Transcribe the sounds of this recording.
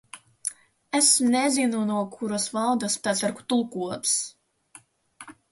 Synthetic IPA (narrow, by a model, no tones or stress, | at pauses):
ɛsmnɛzinunuɔkʰuɾasvalˠd̪aspʲæt̪saɾku̥t̪ulˠkuɔt̪s